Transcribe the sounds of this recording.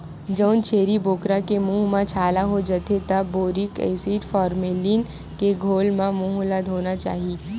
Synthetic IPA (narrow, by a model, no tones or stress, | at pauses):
d͡ʒɔʊnt͡ʃeːɾiboːkɾakemuːɦmãt͡ʃʰaːlaɦod͡ʒət̪et̪ɐːoːɾɪkḛːsiːʈfɔːɾmeːliːn | keɡʱoːlmãmuɦulad̪ɦoːnat͡ʃa̰ːɦiiː